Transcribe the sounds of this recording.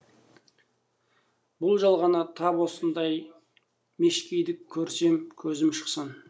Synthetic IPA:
bʊlˠʒɑlˠʁɑnɑt̪ʰɑpwo̞sənd̪ɑj | me̞ʃkʲejd̪ɪkʲʰːɵɾse̞mkʲʰɵzɪmʃə̥qsən

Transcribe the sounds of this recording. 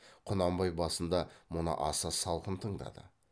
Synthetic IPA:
qʰʊnɑmbɑjbɑsənd̪ɑmʊnə̰ʔɑ̰sɑsɑlˠqənt̪ʰəɴd̪ɑ̰d̪ə̰

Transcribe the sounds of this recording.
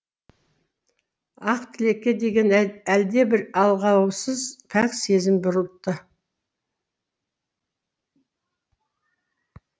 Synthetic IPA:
ɑqt̪ʰɪle̞kʲːe̞d̪e̞ɡʲe̞næld̪e̞bɪɾɑlˠʁɑwsəzt̪ʰæqse̞zɪmbʊɾəlˠp̪̚t̪ːə

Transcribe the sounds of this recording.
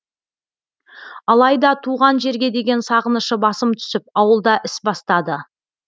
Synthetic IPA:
ɑlˠɑjd̪ɑt̪ʰuʁɑnʒe̞ɾɡʲe̞d̪e̞ɡʲe̞nsɑʁənəʃəbɑsəmt̪ʰʏ̥sɪp̚ɑwəlˠd̪ɑʔɪsbɑst̪ɑd̪ə

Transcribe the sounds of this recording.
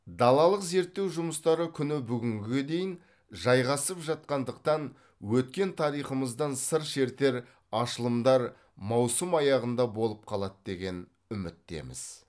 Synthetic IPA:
d̪ɑlˠɑlˠəqze̞ɾt̪ːe̞wʒʊməst̪ɑɾəkʲʰʏnɪbʏɡʲɪŋɡʲɪɡʲed̪e̞jɪn | ʒɑjʁɑsəpʒɑt̪̚qɑnd̪əq̚t̪ɑn | wɵt̪kʲe̞nt̪ʰɑɾijχəməzd̪ɑnsəɾʃe̞ɾt̪e̞ɾ | ɑʃəlˠəmd̪ɑɾ | mɑwsəmɑjɑʁənd̪ɑbo̞lˠəp̚qʰɑlˠɑt̪d̪e̞ɡʲe̞n | ʏmɪt̪̚ːe̞̰mɪ̰z̥

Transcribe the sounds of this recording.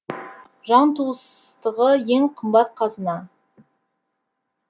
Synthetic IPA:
ʒɑnt̪ʰuəst̪əʁəje̞ŋqʰəmbɑt̪̚qʰɑzənɑ

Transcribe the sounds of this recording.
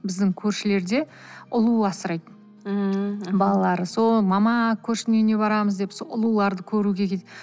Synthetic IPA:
bɪzd̪ɪŋkʲʰɵɾʃɪle̞ɾd̪e̞ | ʊlˠuɑsəɾɑjd̪̩ | bɑlˠɑlˠɑɾəso̞lˠmɑmɑkʲʰɵɾʃɪnene̞bɑɾɑməzd̪e̞psoʔʊlˠulˠɑɾd̪əkʲʰɵɾuɡʲe̞kʲʰet̪ed

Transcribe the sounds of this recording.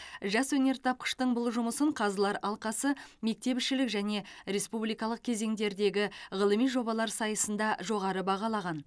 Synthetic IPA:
ʒɑswɵne̞ɾt̪ʰɑp̚qə̥ʃt̪əɴbʊlˠʒʊməsəɴqʰɑzəlˠɑɾɑlˠqɑsəme̞k̚t̪e̞pɪʃɪlɪkʒæne̞ɾe̞spublijkɑlˠəq̚kʲʰe̞ze̞ŋd̪e̞ɾd̪e̞ɡʲɪʁəlˠəmijʒo̞bɑlˠɑɾsɑjəsənd̪ɑʒo̞ʁɑɾəbɑʁɑlˠɑʁɑn

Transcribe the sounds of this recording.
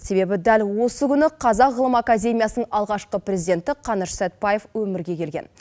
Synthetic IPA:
se̞be̞bɪd̪ælʲwo̞səkʲʏnɪqʰɑzɑqʁəlˠəmakadʲe̞mʲijasənəɴɑlˠʁɑʃqəpɾʲezid̪ʲe̞nt̪ɪqʰɑnəɾsæt̪̚bɑje̞fwɵmɪɾɡʲe̞kʲʰe̞lɡʲe̞̰n

